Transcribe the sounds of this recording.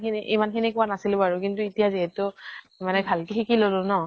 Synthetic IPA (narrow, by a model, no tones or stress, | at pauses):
kiniʔimanxʰinikʊwanasilbaɹʊk̬intuitijaziɦɛtʊ | manɛbʱalkixikilolʊ̃nɔ